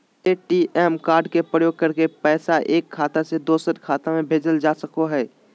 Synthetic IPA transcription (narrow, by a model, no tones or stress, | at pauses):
eːʈiʔɛːmkaːɾɖkepɾəjoːɡ̚kɐɾkepɛːsaʔeːkʰːaːt̪ased̪oːsət̪kʰaːt̪ãmẽbʱeːd͡ʒəld͡ʒaːsɐkoɦɛː